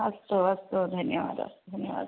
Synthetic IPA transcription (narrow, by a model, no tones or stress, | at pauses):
ɐst̪oɐst̪od̪ʱɐnjɐʋa̰ːd̪ɐ̰sd̪ʱɐnjəʋa̰ːd̪